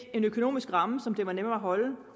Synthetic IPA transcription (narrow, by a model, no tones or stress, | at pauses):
e̝nøkʰo̝no̰ːmisɡ̥ʁɑ̈məsɒ̽md̥e̝ʋɑ̈nemɐæɦɒ̽lə